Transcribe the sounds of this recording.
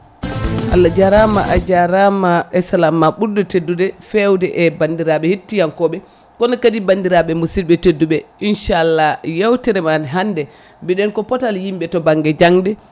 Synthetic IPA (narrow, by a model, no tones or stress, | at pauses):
ʔa̰lːad͡ʒaɾama̰ʔad͡ʒaɾamaɛsalamːaɓuɾdɛtedːudɛfɛwdɛʔɛbandiɾaɓɛhitːijankɔɓɛ | kɔnakadibandiɾaɓɛmusilɓɛtedːuɓɛʔinʃalːajawtɛɾɛmanɦandɛ | bɛɗɛnkɔpɔtaljimɓɛtɔbaŋɡɛd͡ʒaŋdɛ